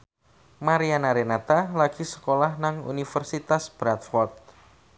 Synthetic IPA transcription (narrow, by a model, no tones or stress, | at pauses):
maɾianaɾenat̪alaɡ̥isə̥kolahnaŋṵnifərsit̪asb̥ɾat̪fɔrt̪̚